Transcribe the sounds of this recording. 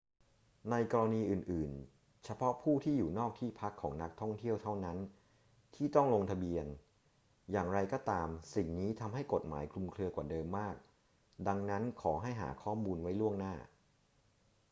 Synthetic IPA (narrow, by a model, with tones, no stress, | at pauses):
na˧jkɔː˧ɾa˧niː˧ʔɯː˨˩nʔɯː˨˩n | t͡ɕʰa˧pʰɔ˦˥pʰuː˥˩t̪ʰiː˥˩juː˨˩nɔː˥˩k̚t̪ʰiː˥˩pʰa˦˥kʰːɔː˩˦ŋna˦˥k̚t̪ʰɔ˥˩ŋt̪ʰi˥˩əwt̪ʰa˥˩wna˦˥n | t̪ʰiː˥˩t̪ɔ˥˩ŋlo˧ŋt̪ʰa˧bi˧ən | jaː˨˩ŋɾa˧jkɔː˥˩t̪aː˧msi˨˩ŋniː˦˥t̪ʰa˧mɦa˥˩jko˨˩t̪̚ma̰ː˩˦jkʰlu˧mkʰlɯ˧ɐkwaː˨˩dɤː˧mːaː˥˩k̚ | da˧ŋna˦˥nkʰɔː˩˦ɦa˥˩jɦa̰ː˩˦kʰɔː˥˩mːuː˧nwa˦˥jlu˥˩əŋnaː˥˩